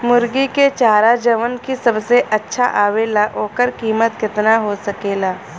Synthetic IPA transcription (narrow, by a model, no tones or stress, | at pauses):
mʊɾɡiket͡ʃaːɾad͡ʒəʋənkisɐbseʔɐtːʃʰa̰ʔaːʋelaʔoːkəɾkiːmət̪̚kɪt̪naɦosɐkeːlaː